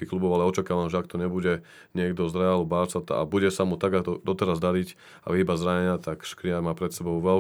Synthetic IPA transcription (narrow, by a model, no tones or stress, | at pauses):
ixklubɔʊalɛɔt͡ʃakaːʋamʒɛakt̪ɔɲɛbuɟɛ | ɲɪɛɡd̪ɔzɾɛalubaːsat̪ɔ̰a̰buɟɛsamut̪aɡaɔd̪ɔt̪ɛɾazd̪aɾic | a̰iːbazɾaɲɛɲɪat̪akʃkɾɪaɾmaːpɾɛt̪sɛbɔʊʋɛl